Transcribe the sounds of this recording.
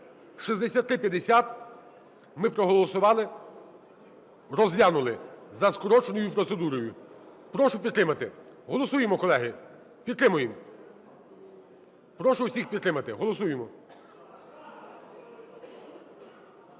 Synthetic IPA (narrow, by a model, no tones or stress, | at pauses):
ʃizd̪esʲat̪ːɾɪpʲjɐd̪esʲat̪ | mɪpɾɔɦɔlˠɔsʊʋɑlˠɪ | ɾɔzʋʲanʊlˠɪzɐskɔɾɔt͡ʃenɔjʊpɾɔt̪se̞d̪uɾɔjʊ | pɾɔʃʊpʲid̪t̪ɾɪmɐt̪ɪɦɔlˠɔsujemɔkɔlˠɛɦɪ | pʲid̪̚ɾɪmʊjɪm | pɾɔʃʊwsʲixpʲid̪t̪ːɾɪmɐt̪ɪɦɔlˠɔsujemɔ